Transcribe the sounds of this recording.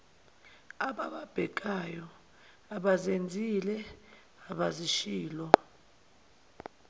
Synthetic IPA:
aɓaɓab̥ʱɛk̬ajɔ | aɓazend͡zʱilɛ | aɓaziʃiːlɔ

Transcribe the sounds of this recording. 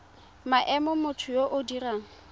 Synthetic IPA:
maʔɛmɔmʊtʰʊjoʔʊdiraːŋ̩

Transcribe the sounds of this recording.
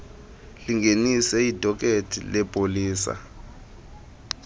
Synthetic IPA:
liŋɡenisɛidʱɔk̬ʼetʰḭlɛpʼoliːsa̰

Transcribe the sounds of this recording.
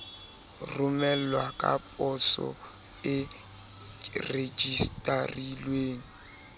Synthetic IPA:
rʊmɛl̩wakʼa̰pʼɔsɔ̰ | ɪ | red͡ʒistʼarilweːŋ̩

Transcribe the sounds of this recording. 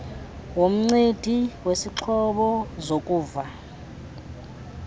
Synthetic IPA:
wom̩ŋ͡ǀed̥ʱiwesiǁʰɔɓɔzokʼuːva

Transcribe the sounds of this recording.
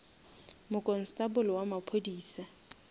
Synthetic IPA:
mʊkʼɔn̩stʼabʊlɔwamapʰodiːsa

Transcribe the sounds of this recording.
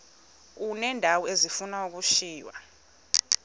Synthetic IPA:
unɛndʱawɔezifunauk̬ʼuʃiːjwa̰

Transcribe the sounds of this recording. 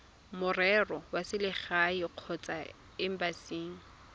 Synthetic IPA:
mʊrɛrɔwasɪlɪχaiq͡χʰɔt͡sʼa | ɪm̩basiːŋ̩

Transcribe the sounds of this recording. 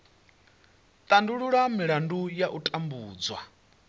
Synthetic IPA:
t̪ʼanduɺuɺamiɺandujaʔutʼambuːd͡zwa̰

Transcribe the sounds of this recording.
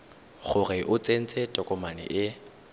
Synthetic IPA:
χʊrɪʔʊt͡sʼen̩t͡sʼɛtʼɔkʼɔmanɪ̰ʔɪ

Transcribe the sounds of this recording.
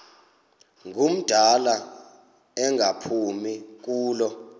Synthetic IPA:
ŋʱum̩d̥ʱala | ɛŋʱapʰumik̬uːlɔ

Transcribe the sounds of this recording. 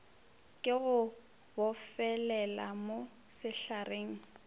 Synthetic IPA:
kʼɪɣʊ | bʊfɛlɛla̰mo | sɪɬarʔeːŋ̩

